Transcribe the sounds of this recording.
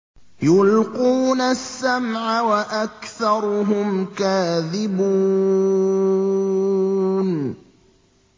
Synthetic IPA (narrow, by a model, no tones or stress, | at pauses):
jʊlquːnasːamʕawaʔakθɑɾˤʊɦʊmkaːðɪbuː | n